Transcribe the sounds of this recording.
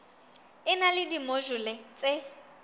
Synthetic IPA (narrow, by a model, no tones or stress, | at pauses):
ɪnalɪdimoʒʊlɪt͡sʼe